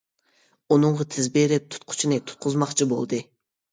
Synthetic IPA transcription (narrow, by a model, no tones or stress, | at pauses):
unɨɴʁɑt̪ʰɪzbeɾɪp̚t̪ʰu̥t̪̚qʰʊ̥t͡ʃʰinɨt̪ʰu̥t̪̚qʰʊzmɑχt͡ʃʰibo̰lˠd̪ɨ